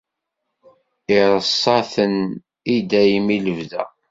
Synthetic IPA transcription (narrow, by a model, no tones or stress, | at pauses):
ɪɾˤəsˤːɑθən | id̪æjimiləvðæ̰